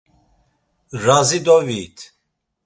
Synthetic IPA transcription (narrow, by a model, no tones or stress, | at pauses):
ɾazid̪ɔviːt̪ʰ